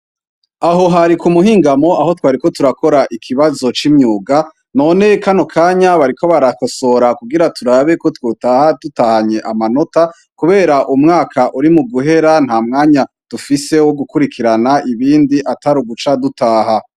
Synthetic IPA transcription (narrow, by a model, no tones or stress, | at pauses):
aɦo̞ɦaɾikumuɦiːŋɡamo̞ʔaɦo̞twaːɾiko̞tuɾako̞ɾaʔikʰiβazo̞t͡ʃimɲuːɡa | no̞ne̞kano̞kʰaːɲaβaɾiko̞βaɾakoso̞ɾakuɡiɾatuɾaβe̞ko̞twoːtahadutahaɲe̞ʔamano̞ta | kuβe̞ːɾaʔumŋaːkʰaʔuɾimuɡuɦe̞ɾan̥haːmŋaːɲa | d̥ufise̞wo̞ɡukuɾikʰiɾanaʔiβiːndiʔataɾuɡut͡ʃadutaːɦa